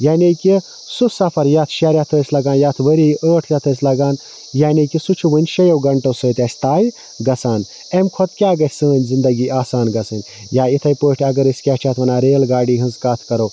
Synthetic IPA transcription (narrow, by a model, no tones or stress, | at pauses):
jaːnʲiki | susɐpʰɐɾjat̪ʰʃaɾjat̪ʰəːsʲlɐɡaːnjaːt̪ʰʋəɾiʔəːʈʰjat̪ʰəːsʲlɐɡaːn | jaːnʲikisut͡ʃʰuʋɐnʲʃɐjɐwɡɐɳʈɐsəːt̪ʲjaːsʲt̪aːj | ɡɐsaːn | emkʰot̪kʲaːɡɐsʲsəːnʲzind̪ɐɡiaːsaːnɡɐsɨnʲ | jaːit̪ʰɐjpəːʈʰʲɐɡɐɾɨsʲkʲat͡ʃʰat̪ʰʋɐnaːɾeːlɡaːɖiːɦɨnzkaːt̪ʰkɐɾo